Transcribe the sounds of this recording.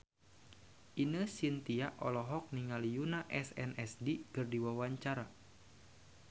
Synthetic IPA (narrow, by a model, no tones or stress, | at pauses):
ʔinəsint̪iaʔɔlɔɦɔk̚niŋalijunaʔɛsɛnʔɛsdikɨrdiwawaɲt͡ʃaɾa